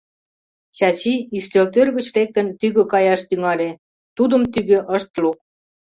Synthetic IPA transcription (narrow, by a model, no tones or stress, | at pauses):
t͡ɕɑt͡ɕiyst̪elt̪ørɣə̆t͡ɕrek̚t̪ənt̪yɣø̆kɑjɑʃt̪yŋɑlʲe | t̪ud̪ə̆mt̪yɣø̆ʔəʃt̪lok̚